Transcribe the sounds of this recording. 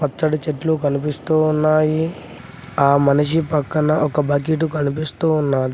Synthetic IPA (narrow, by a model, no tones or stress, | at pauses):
pɐt͡ʃːɐɽɐt͡ʃeʈlukɐnipist̪uːunːaːji | aːmɐniʂipɐkːɐnɐʔɔkɐbɐk̬iʈ̬ukɐnipist̪uːunːaːɾi